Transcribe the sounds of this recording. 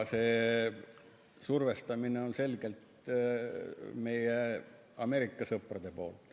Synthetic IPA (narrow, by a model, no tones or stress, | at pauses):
se̞ː | surve̞st̪ɑmineo̞nse̞lɡ̥e̞lt̪ | me̞je | ɑmeɾikːˑɑsɤprɑd̪̥e̞po̞̰ːlt̪